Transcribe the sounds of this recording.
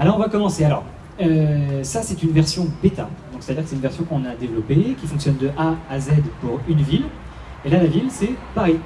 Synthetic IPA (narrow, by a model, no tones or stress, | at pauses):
alɔʁɔ̃vakɔmɑ̃sealɔʁ | øsasɛt̪ynvɛʁsjɔ̃bet̪a̰d̪ɔ̃kse̥t̪ad̪iːʁkəsɛtynvɛʁsjɔ̃kɔ̃nad̪evlɔpekʲifɔ̃ŋksjɔnd̪əʔaːzɛd̪puʁynvil | elalavilsɛpaʁi